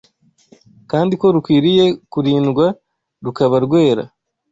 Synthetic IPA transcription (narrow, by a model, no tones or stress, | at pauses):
kaːndiko̞ɾukwiːɾije̞kuɾiːnɡwa | ɾukaβaɾɡwe̞ːɾa̰